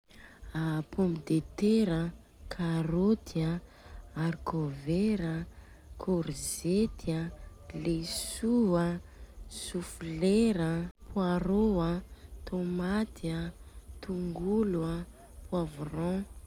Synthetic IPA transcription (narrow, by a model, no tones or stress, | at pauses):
apʰomid̪et̪eɾə | kʰaɾot̪ʰia | aɾikʰoveɾə | kʰoɾzet̪ʰia | lesuasufleɾəpʰwaɾoat̪ʰomat̪iat̪uŋɡulua | pwavurɔ̃